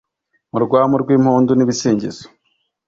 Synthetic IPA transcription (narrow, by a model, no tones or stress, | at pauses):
muɾɡwaːmoɾɡwiːmhoːndoniβiseːɲɟezo̥